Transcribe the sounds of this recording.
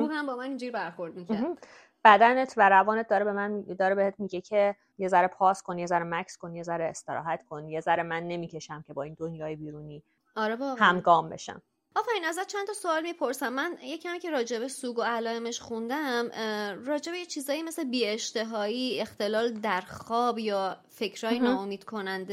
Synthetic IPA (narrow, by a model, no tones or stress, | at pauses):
uːhæmbɒːmænind͡ʒiɾibæɾxoɾd̪̚micæɾ | b̥æd̪ænet̪ʰvæɾævɒːnet̪̚d̪ɒːɾebemænd̪ɒːɾebehet̪̚ʰmiɟecʰe | je̞zæɾepʰɒːskonje̞zæɾemæcʰsko̞nje̞zæɾeːst̪eɾɒ̰ːɦæt̪kʰo̞nje̞zæɾemænːe̞miːcʰe̞ʃæmcʰe̞bɒːiːnd̪onjɒːjebiːɾuːniː | ɒɾebɒhæmɡɒːmbe̞̰ʃæ̰m | ɒːfæɾinæzæt̪̚t͡ʃʰænt̪ʰɒsoɒːlmipʰo̞ɾsæmːænjecʰæmiːcʰe̞ɾɒːd͡ʒe̞besuːɡo̞ælɒːeme̞ʃxund̪æmɾɒːd͡ʒe̞be̞jet͡ʃʰiːzɒːjimeslebiːe̞ʃt̪e̞ɦɒːiːe̞xt̪e̞lɒːld̪æɾxɒːbjɒːfe̞cʰɾɒːjenɒːomiːd̪̥kʰo̞nænd̪e